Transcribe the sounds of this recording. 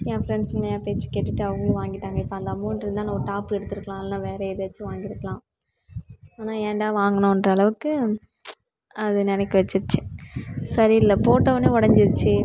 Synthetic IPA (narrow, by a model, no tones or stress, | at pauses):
jẽːfɾɛɳɖsɪnɐjaːpeːt͡ʃːɯ̥keːʈːɪʈːɯɐʋɐŋɡɐʋaːŋɡɪʈːaːŋɡɐɪpːɐɐnd̪ɐmoːnɖɾɯnd̪ãːnɐɡɐʈaːpɯɛɽɯt̪ːɯɾɯkːɐlãːɐlnãːʋeːɾɐɪðɐɐt͡ʃːɯʋaːŋɡɪɾɯkːɐlãː | aːnaːeːɳɖaːʋaːŋɡɐnõːɛndrɐːɭɐʋɯkːɯ | ɐðɯnɛnɛkːiʋɐt͡ʃːɯɾɯt͡ʃːɯsɐɾiɪlːɐpoːʈːɐʋɐneːɔɽɐɲd͡ʒɪɾɯt͡ʃːɯ